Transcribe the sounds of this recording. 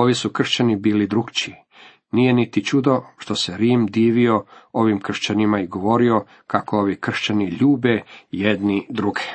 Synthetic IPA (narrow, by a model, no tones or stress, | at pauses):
o̞ʋisukr̩ʃt͡ɕanibiːlid̪ɾuɡt͡ɕi | nije̞nit̪it͡ʃud̪o̞ʃt̪o̞se̞ɾiːmd̪iːʋio̞o̞ʋimkr̩ʃt͡ɕanimaiɡo̞ʋo̞ɾio̞ | kakooʋikr̩ʃt͡ɕaniʎuːbejed̪nid̪ɾuɡe̥